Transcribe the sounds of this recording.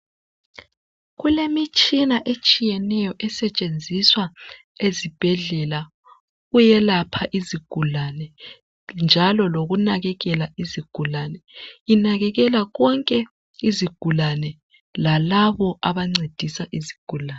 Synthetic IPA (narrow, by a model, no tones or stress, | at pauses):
ɣulemit͡ʃʼinaʔet͡ʃʼijɛnɛjɔʔɛsɛt͡ʃʼend͡zʱiswa | ezib̥ʱɛɮɛla | ɣujɛlapʰaʔiziɡ̥ʱulanɛ | nd͡ʒʱalɔloɣunaɣɛɣɛlaiziɡ̥ʱulanɛinaɣɛɣɛlaɣɔŋkʼɛ | iziɡ̥ʱulanɛ | lalaβɔʔaβaŋ͡ǀed̥ʱisaʔiziɡ̥ʱulaːn